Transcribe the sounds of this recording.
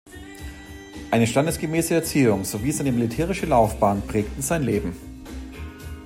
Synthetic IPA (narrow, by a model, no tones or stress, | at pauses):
ʔaɪnəʃtandəsɡ̥əmɛːsəɛɐt͡siːʊŋz̥oviːɛsʔaɪnəmilitʰɛːʁ̞ɪʃəlaʊfb̥aːnpʁ̥ɛːktn̩zaɪnleːbm̩